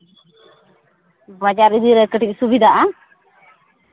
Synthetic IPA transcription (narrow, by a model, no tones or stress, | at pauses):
bad͡ʒaɾid̪iɾɛkəʈic̚subid̪aʔa